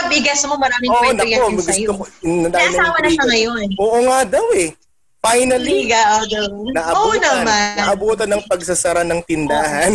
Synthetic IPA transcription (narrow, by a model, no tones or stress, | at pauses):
ɐbɪɡɐsmomɐɾaːmɪŋoʔonɐkoɐɡʊsokonɐd̪awɐnɐawɐnɐʃɐŋɐjonʔoːʔoŋad̪ɐwɛ | fajnɐliɡaʔod̪onɐʔɐoʔnɐmaɐʔɐbuːt̪ɐnɐŋpɐɡ̚sɐsɐɾanɐŋt̪ɪnd̪aːɦɐn